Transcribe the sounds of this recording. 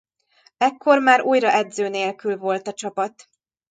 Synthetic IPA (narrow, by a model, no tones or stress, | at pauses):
ɛkːo̞rmaːɾuːjrɒʔɛd̪zøːneːlkylvo̞lt̪ɒt͡ʃɒpɒt̪